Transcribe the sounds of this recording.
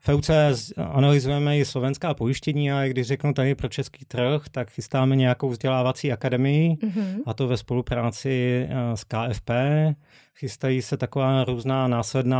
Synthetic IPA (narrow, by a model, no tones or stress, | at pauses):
fɛwt͡sɛʔanalɪzujɛmɛjɪslo̞vɛnskaːpo̞jɪʃcɛɲiːaɪɡdɪʒrɛknut̪adɪpɾot͡ʃɛskiːt̪r̩xt̪akxɪst̪aːmɛɲɛjakowvzɟɛlaːvat͡siːakadɛmɪjɪʔat̪o̞vɛspo̞lupɾaːt͡sɪskaːʔɛfpɛː | xɪst̪ajiːsɛt̪akovaːɾuːznaːnaːslɛdnaː